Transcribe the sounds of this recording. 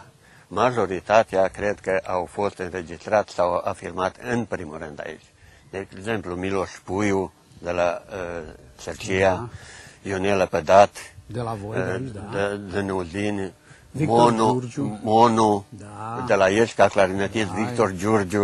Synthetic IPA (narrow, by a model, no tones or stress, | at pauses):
maʒoɾit̪at̪jakɾɛd̪kəʔawfost̪ənrɛd͡ʒist̪ɾat̪sawa̰fiɾmat̪ənpɾimuɾɛnd̪a̰jḭt͡ʃ | d̪ɛkzɛmplumiloʃpuju | d̪əla | t͡səɾt͡ʃia | jonɛləpəd̪at̪ | d̪ənuzin | monumonu | d̪əlajəʃkaklaɾinət̪isvikt̪oɾd͡ʒuɾd͡ʒu